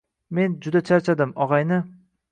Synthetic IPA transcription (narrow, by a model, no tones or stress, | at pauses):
me̞nd͡ʒʊd̪at͡ʃʰaɾt͡ʃʰad̪ɪmɒʁɑjnɪ